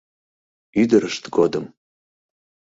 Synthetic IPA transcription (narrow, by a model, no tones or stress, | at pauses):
yd̪ɨɾɨʂt̪ɡodɨm